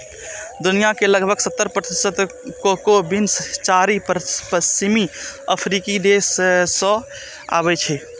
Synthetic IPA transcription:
d̪ʊnijakeləɡbʱəɡsət̪ːəɾpɾət̪ɪsət̪kokobinst͡ʃaɾippəst͡ʃimiəpʰɾikid̪esːɔ̃ | a̰ːbɛt͡ʃʰɛ

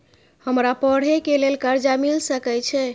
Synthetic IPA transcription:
həmɾapəɽ̤ekelelkəɾd͡ʒamilsəkɛt͡ʃʰɛ

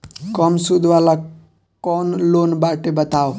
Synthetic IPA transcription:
kɔmsud̪ʱʋala | kɔnloːnbaːʈebət̪aːo

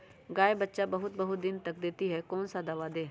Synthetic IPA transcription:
ɡaːebətːʃabɐɦʊt̪̚bɐɦʊt̪̚d̪ɪnt̪ɐk̚d̪eːt̪iɦɛkɔːnsad̪aʋad̪eː

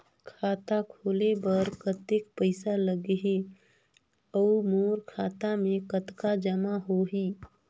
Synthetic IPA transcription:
kʰaːt̪akʰoːlebəɾkət̪ekpəɪsaləɡɦi | əumoːɾkʰaːt̪amẽkət̪kad͡ʒəmaɦoɦiː

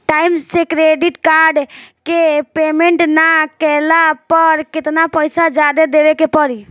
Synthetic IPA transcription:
ʈaimsekɾeɖiʈkaɾɖkepemeɳʈnakɛlapəɾkɪt̪napəjsad͡ʒad̪ed̪eʋekepəɾi

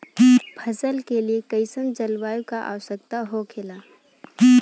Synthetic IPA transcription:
pʰɐzəlkeliekəɪsənd͡ʒəlwaːjũkaʔa̰ːwəsək̚t̪aɦokʰɪlaː

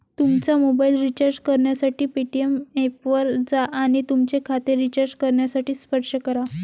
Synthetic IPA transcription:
t̪umt͡samobailɾit͡ɕəɾd͡ʑkəɾɳjasaʈiːpiʈiemepʋəɾd͡zaʔaɽ̃it̪umt͡sekʰat̪eɾit͡ɕəɾd͡ʑkəɾɳjasaʈiːspəɾʂəkəɾa

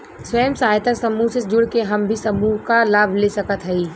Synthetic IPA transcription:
swəjəmsaːjt̪əɾsɐmusesd͡ʒʊɽkeɦɐmbʱisɐmuɦkalaːbʱlesɐkət̪ɦɛiː

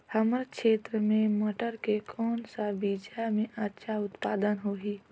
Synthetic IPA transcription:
həməɾkʃeːt̪ɾəmẽməʈəɾkekʰɔːnsaʋid͡ʒamẽʔətːʃʰaʊt̪paːd̪ənɦoɦiː

